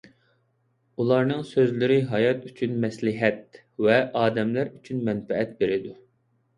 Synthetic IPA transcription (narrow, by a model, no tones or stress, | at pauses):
ulˠɑɾnɨŋsøzlɪɾɪɦɑjɑt̪yt͡ʃʰynmɛslɪɦɛt̪̚ | vɛʔɑːd̪ɛmlæɾyt͡ʃʰynmɛnfɛɛt̪̚beɾɪd̪u